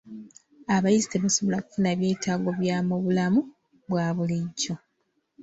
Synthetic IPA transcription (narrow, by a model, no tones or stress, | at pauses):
aβajizite̞βaso̞βo̞laku̥funaβje̞ːtaːɡo̞βjaːmoβulamu | βwaːβuliɟːo̞